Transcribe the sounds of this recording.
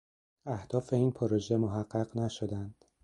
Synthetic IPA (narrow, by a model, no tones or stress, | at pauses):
æhd̪̥ɒːfe̞iːnpʰoɾoʒe̞moɦæɢːæɢnæʃod̪ænd̪̥